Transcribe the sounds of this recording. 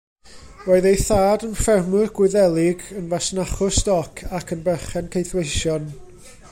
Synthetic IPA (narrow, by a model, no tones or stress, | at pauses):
roːɨðejθaːdənfɛrmɨrɡ̥wɪðɛlˠɪɡənvasnaχʊstɔkʰakʰənbɛχɛnkʰejθwejʃjɔn